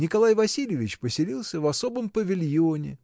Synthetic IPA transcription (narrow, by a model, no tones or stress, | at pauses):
nʲɪkɐlˠajvɐsʲilʲjɪvʲɪt͡ɕpəsʲɪlʲilˠsʲəvɐso̞bəmpəvʲɪlʲjonʲɪ̰